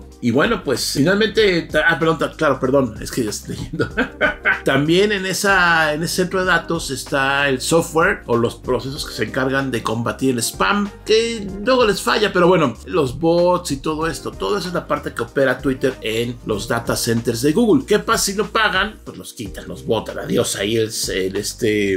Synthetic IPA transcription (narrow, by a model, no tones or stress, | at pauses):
iβwe̞no̞pwe̞sfinalmẽnt̪e̞t̪aapeɾðont̪aklaɾo̞pe̞ɾðo̞nḛskeʝaest̪t̪eʝend̪o | t̪ambje̞ne̞nesaenesese̞nt̪ɾo̞ðe̞ðat̪o̞se̞st̪aelsoft̪̚weɾolo̞spɾo̞se̞s̬o̞skese̞ːŋkaɾɣand̪e̞ko̞mbat̪iɾelespamkelwe̞ɣo̞le̞sfa̰ʝape̞ɾo̞βwe̞no̞lo̞zβot̪sit̪o̞ð̞o̞e̞st̪o̞t̪o̞ðes̬oezlapaɾt̪e̞ke̞ope̞ɾat̪wit̪e̞ɾenlo̞zðat̪ase̞nt̪eɾzðe̞ɣuɣulke̞pasːino̞paɣanpwezlo̞skit̪anlo̞̰zβo̞t̪ana̰ðjo̞sa̰ielselest̪e